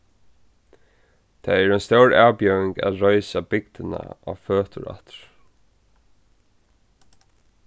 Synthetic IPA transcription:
t̪ʰaɛɾœjnst̪œwɹaːwpjœwɪŋkæ̰ðɾɔʏsabɪk̚t̪ɪna̰ʔa̰føːt̪ʊɾa̰ht̪ɹ̥

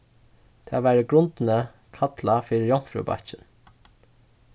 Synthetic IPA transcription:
t̪ʰɛ̰ːʋæːɾəɡɾʊnt̪nə | kʰat̪lafiːɪjɔŋ̥fɾṵba̰t͡ʃɪn

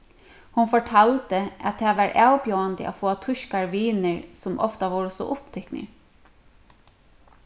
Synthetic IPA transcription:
hʊnfɔʈʰalt̪əa̰t̪t̪ʰɛːʋaɹʔawpjowand̪ə̰ʔa̰foːat̪ʰʊʃkaɹʋiːnəɹsʊmʔɔ̰ft̪aʋoːɾəsɔ̰ʔʊpt̪ʰʏknə̰ɹ

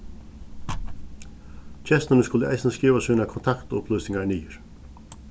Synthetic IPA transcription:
t͡ʃʰɛst̪ɪnɪskʊləa̰jsnəskiːʋasiːnakʰɔnt̪ʰakt̪ʊ̰plʏjsɪŋkaniːʏɹ̥

